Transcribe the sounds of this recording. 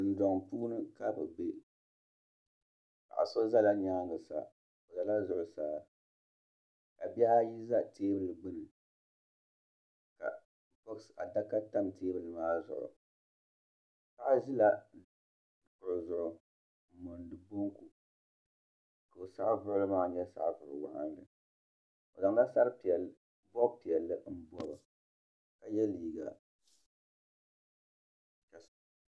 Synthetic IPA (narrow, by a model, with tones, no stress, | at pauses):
n̩˨dɔ˨ŋpuː˦nɨ˦ka˦bɨ˨be˦ | pa̰˨ʔa̰˨so˦za˦la˦ɲaː˦˨ɡɨ˨sa̰˨ | o˨za˨la˦zʊ˨ʔʊ˨saː˦ | ka˨bɛ˦ha˦ji˦za˦teː˦bɨ˦lɨ˨ɡ͡bɨ˦nɨ˨ | ka̰˨ | pɔ˦ksa˨da˦ka˦ta˦mtʰeː˦bɨ˨lɨ˨maː˦zʊ̰˨ʔʊ̰˨ | sa˦ʔʒi˦la˦˨ | kʊ˨ɾzʊ˨ʔʊ˨ | m˨mo˨n˨dɨ˨bu˦ŋku˨ | ka˨o˨sa˦vɨ˦lɨ˦maː˦˨ɲɛ˦sa̰˦ʔvɨ˨ɾɨ˨wa̰˨ha˦n˦dɨ˨ | o˨za˨ŋ˦da˦sa˦ɾpɛ˨l | bɔ˦bpi˨ɛ˨lːɨ˦n̩˦bɔ˦bɨ˨ | ka˨jɛ˦liː˨ɡa˨ | ka˨